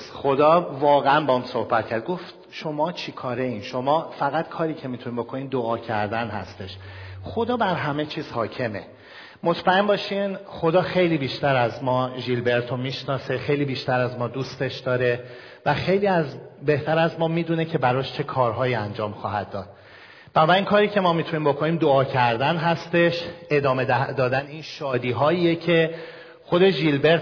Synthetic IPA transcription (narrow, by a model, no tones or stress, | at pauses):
sxo̞d̪ɒːvɒːɣeænbeɔmso̞hbæt̪̚cʰæɾd̪̚ɡoft̪ | ʃo̞mɒːt͡ʃʰikʰɒːɾeinʃo̞mɒːfæɣæt̪kʰɒːɾiːcʰe̞mit̪ʰunimbo̞kʰo̞niːd̪oɒːcʰæɾd̪ænhæ̰st̪e̞ʃxo̞d̪ɒːbæɾɦæme̞t͡ʃʰiːz̥hɒːcʰe̞me̞̰ | mo̞t̪ʰmæe̞mbɒːʃinxo̞d̪ɒːxe̞jliːbiːʃt̪æɾæzmɒːʒilbe̞ɾt̪ʰo̞miːʃnɒːse̞xejliːbiːʃt̪æɾæzmɒːd̪uːst̪e̞ʃd̪ɒːɾe̞ | væxe̞jliːæzbe̞ht̪ʰæɾæzmɒːmiːd̪une̞cʰe̞bæɾɒːʃt͡ʃʰe̞kʰɒːɾɦɒːjiːænd͡ʒɒːmxɒ̰ːɦæd̪̚ːɒːd̪̥̚ | b̥ænɒbæɾiːnkʰɒːɾiːcʰe̞mɒːmit̪ʰuniːmbo̞kʰo̞niːmd̪oɒːcʰæɾd̪ænɦæst̪e̞ʃe̞d̪ɒːme̞d̪ɒːd̪æniːnʃɒːd̪iːɦɒːiːecʰe̞ | xo̞d̪e̞ʒilbe̞ɾt̪